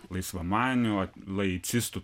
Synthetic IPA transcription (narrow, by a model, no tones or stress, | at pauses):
lˠɐɪsʋɐmɑːnʲʊɐlˠɐɪt̪sʲɪst̪ʊ